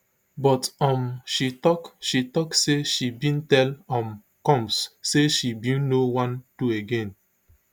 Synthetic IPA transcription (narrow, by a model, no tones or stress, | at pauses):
bɔtɔ̃mʃitɔkʃitɔkseʃibĩntɛlɔ̃m | kɔ̃msseʃibĩnnowãndueɡẽn